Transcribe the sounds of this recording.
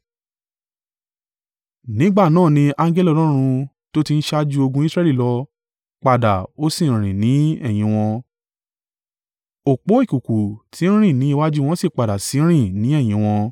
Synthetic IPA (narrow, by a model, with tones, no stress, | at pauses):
nĩ˨˦ɡ͡ba˦˨nãː˦˨nĩ˧a˧ŋɡɛ˦li˦ɔ˧lɔ˦˧ɾ̃ũ˧ | to˦ti˧n̩˦ʃa˦d͡ʒu˦o˧ɡũ˧˦i˦sɾɛ˦li˦˨lɔ˧ | k͡pa˨da˨o˦sĩ˦˨ɾ̃ĩ˨nĩ˨˦ɛ˦˨j̃ĩ˧w̃ɔ̃˧ | o˨k͡po˨˦i˦˨ku˨ku˨tʰi˨˦ñ̩˦ɾ̃ĩ˦˨nĩ˨˦i˧wa˦d͡ʒu˦˧w̃ɔ̃˧˦si˦˨k͡pa˨da˨si˨˦ɾ̃ĩ˦˨nĩ˨˦ɛ˦˨j̃ĩ˧w̃ɔ̃˧